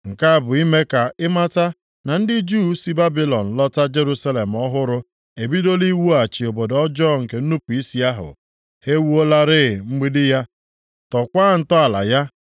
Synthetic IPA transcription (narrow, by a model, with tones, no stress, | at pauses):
ŋ̩˨ka˦a˦˨bʊ˨i˦me˦ka˨ɪ˦ma˦ta˦ | na˨n̩˦dɪ˦d͡ʒu˦si˦ba˦bi˦lɔ˨n̩˨lɔ˦ta˦d͡ʒe˦ɾu˦sa˦le˨m̩˨ɔ˦ɦʊ˦ɾʊ˦ | e˨bi˦do˦li˦wu˦a˨t͡ʃi˨o˨bo˨dɔ˦d͡ʒɔ˦ŋ̩˨ke˨n̩˦nu˦pu˨i˦si˦a˦ɦʊ̰˨ | he˦wu˦o˦la˦ɾɪ˦˨ŋ͡m̩˦ɡ͡bi˦dɪ˦ja˦ | tɔ˨kʷaː˦˨n̩˨tɔ˦a˨la̰˨ja˦